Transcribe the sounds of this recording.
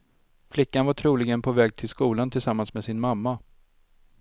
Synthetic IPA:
flɪkːanvaʈʰɾuːlɪɡənpʰɔvɛːɡ̚t̪ʰɪlskuːlant̪ʰɪlsamːansmeːsɪnmamːa

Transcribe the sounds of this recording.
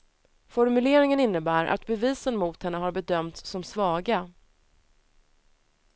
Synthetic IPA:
fɔɾmɵleːɾɪŋənɪnːəbæːɾʔa̰t̪bɛviːsənmʊːt̪hɛnːəɦaɾbɛd̪œmt̪ssɔmsvɑːɡa

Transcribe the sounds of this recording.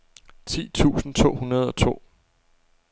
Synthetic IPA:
t͡sʰḭːt͡sʰṵːsn̩t͡sʰo̝̰ːhunɐð̞ˠɒ̽t͡sʰo̝̰ː

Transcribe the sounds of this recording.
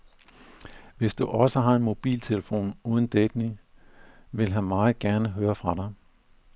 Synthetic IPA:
ʋe̝sd̥uʔɒ̽səɦɑ̈e̝nmo̝b̥ḭːlt͡sʰe̝ləfo̝̰ːnuːð̞ˠn̩d̥ed̥ni | ʋe̝lɦænmɑ̈ːð̩ˠɡ̥æɐnəɦøːɐfʁɑ̈ɾ̥ɑ̈ɪ

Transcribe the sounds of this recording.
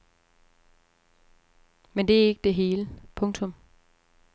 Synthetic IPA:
mend̥e̝æe̝ɡ̥əd̥e̝ɦe̝ːləpʰɔ̽ŋt͡sʰɔ̽m

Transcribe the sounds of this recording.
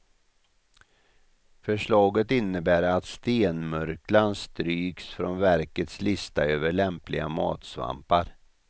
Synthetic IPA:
fœʂɭɑːɡət̪ɪnːəbæːɾat̪st̪eːnmœɾklanst̪ɾyːksfɾɔnvæɾkət̪slɪst̪a̰øːvəɭɛmplɪɡa̰mɑ̰ːt̪sva̰mpaɾ

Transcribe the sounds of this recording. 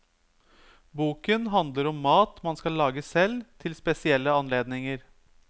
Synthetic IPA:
buːkənɦɑnd̪ləɾɔmːɑːt̪mɑnskɑlːɑːɡəsɛlt̪ʰɪlspɛsɪɛlːəɑnleːd̪nɪŋəɾ

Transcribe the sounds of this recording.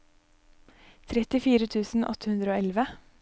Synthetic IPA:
t̪ʰɾɛt̪ɪfiːɾət̪ʰʉːsn̩ʔɔ̰t̪əhʉnd̪ɾəoːɛlʋə

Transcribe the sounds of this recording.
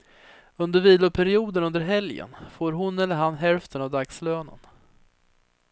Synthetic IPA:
ɵnd̪əɾviːlʊpʰæɾɪuːd̪ənɵnd̪əɾɦɛljə̰nfoːɾɦʊnɛlːəɾɦanɦɛlft̪ʰənavd̪aksløːnə̰n

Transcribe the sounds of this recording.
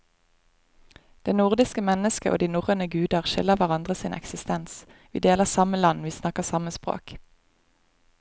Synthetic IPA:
d̪̥eːnʊʁd̪ɪskəmɛnəskəʔo̰ːd̪iːnʊʁənəɡʉːd̪əʁʃɪ̰ləʋæʁɑnd̪ʁəsiːnʔɛ̰ksɪst̪ɛns | ʋḭːd̪eːləsɑməlɑnʋiːsnɑkəʁsɑməspʁo̰ːk

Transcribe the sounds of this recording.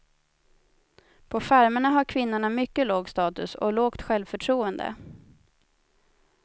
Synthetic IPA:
pʰɔfæɾməɳaɦaɾkʰvɪnːʊɳamʏkːəloːɡst̪ɑːt̪ɵsɔ̰loːkt̪ɧɛlvfœʈʰɾuːənd̪ə̰

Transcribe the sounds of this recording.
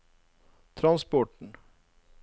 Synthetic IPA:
t̪ʰɾɑnspɔʈɳ̩

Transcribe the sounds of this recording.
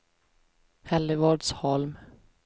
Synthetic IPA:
hɛlɪvɔːɖshɔlm

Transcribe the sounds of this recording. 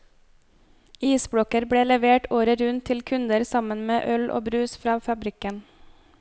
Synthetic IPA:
iːsbɽɔkəɾbɽeːlɛʋeːʈʰoːɾəɾʉnt̪ʰɪlkʰʉnd̪əɾsɑmənmeːʔœlʔo̰ːbɾʉːsfɾɑːfɑbɾɪkən

